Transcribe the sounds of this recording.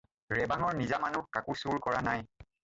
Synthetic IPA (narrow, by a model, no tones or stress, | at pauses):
ɹɛbaŋɔɹnizamanukakʊsuɹkɔɹanaj